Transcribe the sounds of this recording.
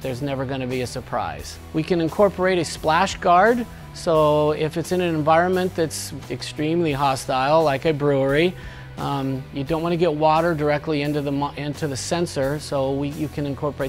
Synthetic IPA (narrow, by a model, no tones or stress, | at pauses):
ðə˞znɛvə˞ɡʌñɨbiɨsə˞pʰɹ̥a̰ɪz̥ | wikɨ̃nɨ̃nkʰɔɹpʰə˞eɪɾɨsplæʃɡ̥ɑɹd | soʊɪfɨtsɨ̃nɨ̃nɨ̃ɱvaɪɹɨ̃nmɨ̃nðɨtsɨkstɹ̥ĩmliɦɑstaɪlˠlaɪkɨbɹu˞i | jɨdõʊ̃n̚ʔwɑnɨɡɛt̚wɔɾə˞də˞ɛk̚tˡliɪ̃ntʉðəmɪ̃ntʰʉðɨsɛ̃nsə˞soʊwijɨkʰɨ̃nɨ̃nkʰɔɹpə˞eɪ